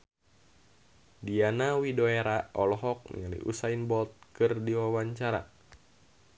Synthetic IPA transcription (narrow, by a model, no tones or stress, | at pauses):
dianawidoeɾaɔlɔɦɔk̚nḭalḭʔṵsainbɔlt̪̚kɨrdiwawaɲt͡ʃaɾa̰